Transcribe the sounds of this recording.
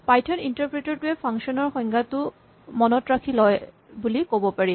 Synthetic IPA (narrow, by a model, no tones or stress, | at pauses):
pajtʰɔnintaɹpɹetɔɹtuɛpʰaŋʃɔnɔɹxɔjŋɡʱatʊ | mɔnɔtɹakʰilɔj | bulikobɔpaɹi